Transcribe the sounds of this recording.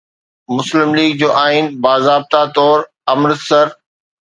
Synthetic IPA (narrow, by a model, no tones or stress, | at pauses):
mʊslɪmliːɡ̚d͡ʑoːʔaːinbaːzaːb̚t̪at̪ɔːɾ | ɐmɾsəɾ